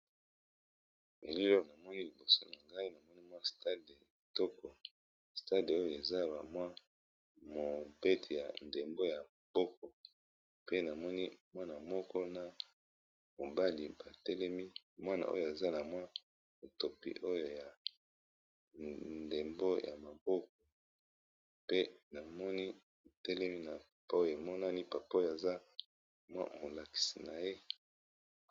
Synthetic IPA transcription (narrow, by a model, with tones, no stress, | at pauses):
me˨li˦lo˦o˨na˨mɔ˦ni˦li˨bo˨so˦na˨ŋɡa˦i˦na˨mɔ˦ni˦mwa˦sta˦de˨tɔ˦kɔ˨ | sta˦de˨o˦jo˨e˨za˦ba̰˨mwa˦ | mo˨be˦tʰi˨ja˨nde˨mbo˦ja˨ | b̥ɔ˦k̚ɔ˨ | pe˦na˨mɔ˦ni˦mwa˦na˨mɔ˦kɔ˦na˨ | mo˨ba˦li˨ba˨tɛ˦lɛ˦mi˦mwa˦na̰˨ʔo̰˦jo˨a˨za˦na˨mwa˦ | mo˨to˨pḭ˦ʔo˦jo˨ja˨ | nde˨mbo˦ja̰˨ma˨bɔ˦k̚ɔ˨ | pe˦na˨mɔ˦ni˦˨ | tɛ˦lɛ˦mi˦na˨pa˨pa˦o˦jo˨e˨mɔ˦na˦ni˦pa˨pjo˨a˨za˦ | mwa̰˦mo˨la˨ki̥˨si˨na˨je˦